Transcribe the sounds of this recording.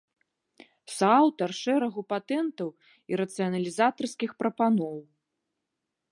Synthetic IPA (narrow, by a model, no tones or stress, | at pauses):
sawt̪ɐrʂɛɾɐɣupat̪ɛnt̪ɐw | iɾɐt̪sɨjɐnɐlʲizat̪ɐrskʲixpɾɐpanɔw